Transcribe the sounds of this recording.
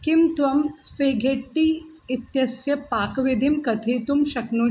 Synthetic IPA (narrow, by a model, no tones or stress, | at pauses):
kimt̪ʋɐmsfeːɡʱeʈːiː | it̪jɐsjɐpaːkʋid̪ʱimkɐt̪ʰeːt̪umʃɐknu